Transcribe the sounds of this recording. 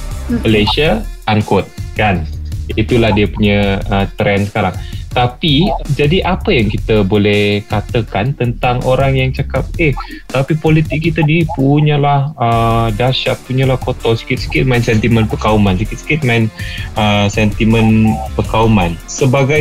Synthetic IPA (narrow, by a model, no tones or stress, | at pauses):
məlasiaʔankot̪̚kanit̪ulahdiəpuɲəət̪ɾɛnsə̥kaɾaŋt̪apid͡ʒadiʔapəjaŋkit̪əbolɛhkat̪əkant̪ənt̪aŋʔoɾaŋjaŋt͡ʃakap̚eh | t̪apipolit̪ɪk̚ːit̪anipuɲə̃lahədaʃat̪̚puɲəlahkot̪ɔsə̥kɪt̪̚sə̥kɪt̪̚maɪnsɛnt̪imə̃npəkaumansəkɪt̪̚sə̥kɪt̪̚mãɪnəsɛnt̪imənpəkaumansəbaɡaj